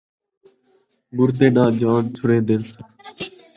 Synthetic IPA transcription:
bʊɾt̪eːɗãːd͡ʒãːnt͡ʃʰʊɽeːd̪ɪn

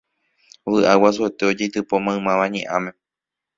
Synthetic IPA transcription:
ʋɨʔawasuet̪eo̞d͡ʒet̪ɨpomãɨ̃mãʋaɲḛ̃ʔãmẽ

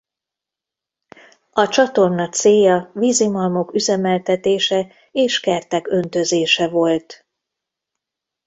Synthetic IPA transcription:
ɒt͡ʃɒt̪o̞rnɒk̚t̪seːjɒviːzimɒlmo̞kyzɛmɛlt̪ɛt̪eːʃɛ | eːʃkɛrt̪ɛkø̞nt̪ø̞zeːʃɛvo̞lt̪

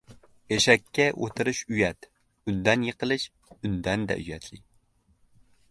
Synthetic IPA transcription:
jeʃɛkʲːɛʔot̪ʰɨɾɪʃyjɛt̪ | ynd̪ɛnjeqʰəlˠɨʃ | ynd̪ɛnd̪ɛ̰ʔyjɛt̪ʰlɪ

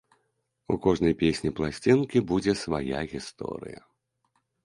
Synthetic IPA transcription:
ukɔʐnɐjpʲesʲnʲiplˠasʲt͡sʲinkʲibud͡zʲɛsvaja̰ɣʲist̪ɔ̰ɾɨ̰jɐ̰

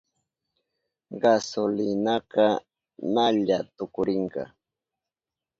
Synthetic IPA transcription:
ɢɑsolɪnakɑ | naʎat̪ʊkʊɾɪɴkɑ̰

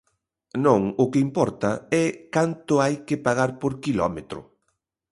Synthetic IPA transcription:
nõŋʊkɪimpɔɾt̪ɐɛkant̪ʊajkɪpaɣaɾpoɾkilɔ̰met̪ɾʊ̰

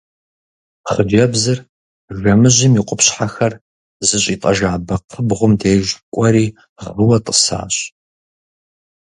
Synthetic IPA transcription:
χəd͡ʒɐbzɨr | ʒɐmɨʑɪmiqʷʼʊpɕħaxɐr | zɨɕʼiːtʼɐʒaːbɐqʰəbʁʷʊmdeːʒkʷʼɐɾiː | ʁəwɐtʼəsa̰ːɕ

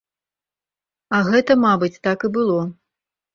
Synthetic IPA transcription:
ɐɣɛt̪ɐmabɨt͡sʲt̪akibɨlˠɔ

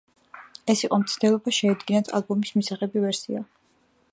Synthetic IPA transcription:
ɛsiqʼɔmt̪sʰd̪ɛlˠɔbaʃɛːd̪ɡinat̪ʰa̰lˠbɔmismisaχɛbivɛɾsḭa

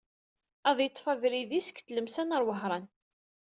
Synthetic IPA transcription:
æðjət̪ˤːfævɾiðisə̥kθləmsænəɾˤwəɦɾˤɑn

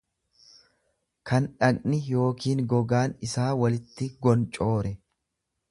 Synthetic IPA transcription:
kʰɐnᶑɐkʼnɪjo̞ːkiːŋɡɔɡaːnɪsaːwɐlɪt̪ːɪɡɔnt͡ʃʼo̞ːɾɛ

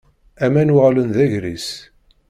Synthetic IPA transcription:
æmænwəʁlənðæʝɾis

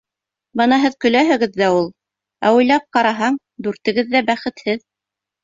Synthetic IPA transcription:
bɤnɑɦɘðkɵ̆læɦɘ̆ɡɘðːæulˠ | æujlˠɑp̚qɑɾɑɦɑɴ | d̪ʉɾt̪ɘ̆ɡɘðːæbæχɘ̆t̪hɘð

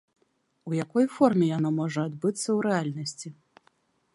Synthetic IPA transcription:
ujakɔjfɔrmʲɛjanɔmɔʐɐːd̪bɨt̪sːɐwɾɛalʲnɐsʲt͡sʲi

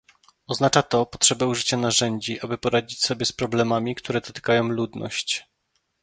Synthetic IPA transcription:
ɔznat͡ʂat̪ɔpɔtʂɛbɛuʐɘt͡ɕanaʐɛɲd͡ʑiʔabɘpɔɾad͡ʑit͡ɕsɔbʲjɛspɾɔblɛmamʲikt̪ʰuɾɛd̪ɔt̪ɘ̥kajɔ̃w̃lud̪nɔ̰ɕt͡ɕ

